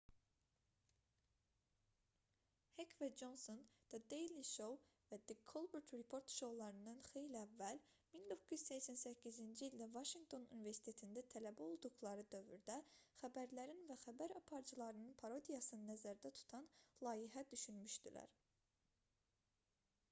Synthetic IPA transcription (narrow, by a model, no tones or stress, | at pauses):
hekʰvæd͡ʒo̞nsond̪̥ɛd̪ejliʃowvæd̪ikʰːolˠbuɾt̪ɾipʰo̞ɾt̪ʃo̞wlˠɑɾɯnd̪ɑnxe̞jliævːælmind̪o̞kʰːujy̥zsɛçsænsæcʰːizind͡ʒiilʲd̪ævɑʃiŋɡ̚t̪ʰo̞nṵnive̞ɾsi̥t̪ʰet̪ʰind̪æt̪ʰælæbæo̞lˠd̪uɣlˠɑɾɯd̪ø̞vyɾd̪æxæbæɾlæɾinvæxæbæɾɑpʰɑɾd͡ʒɯlˠɑɾɯnɯnpʰɑɾo̞d̪ijɑsɯnɯnæzæɾd̪æt̪ʰu̥t̪ʰɑnlˠɑːjiɦæd̪yʃynmyʃd̪ilæ̰ɾ